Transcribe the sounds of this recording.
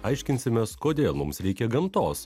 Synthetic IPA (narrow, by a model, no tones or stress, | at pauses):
ɐɪʃʲkʲɪnʲsʲɪmʲɛskoːd̪ʲeːlˠmʊmsɾʲɛɪkʲɛɡɐmt̪oːs